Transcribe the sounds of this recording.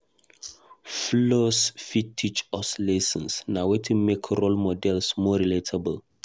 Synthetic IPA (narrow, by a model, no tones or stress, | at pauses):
flosfitʰːit͡ʃɔslesə̃nsnawetʰĩmekʰɹolmɔdɛlsmɔɹiletʰabəl